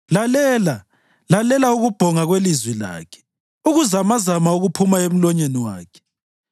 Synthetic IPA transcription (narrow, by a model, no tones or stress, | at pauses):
lalɛːla | lalɛlauɣub̥ʱɔŋaɣwelizwila̰ːkʰɛ̥ | uɣuzamazamauɣupʰumaem̩lɔɲeniwa̰ːkʰɛ̥